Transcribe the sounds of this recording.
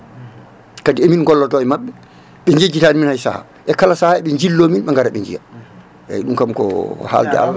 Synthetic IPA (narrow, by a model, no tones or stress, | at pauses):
kadiɛminɡɔlːɔtɔɛmaɓːɛ | ɓɛɲd͡ʒed͡ʒːitaniminhajsa̰ha̰ | ʔɛkalasahaɛɓɛɲd͡ʒilːominɓɛŋɡaɾaɓɛɲd͡ʒija̰ | ʔɛ̰ɗumkamkɔ̰ha̰ldɛ̰a̰la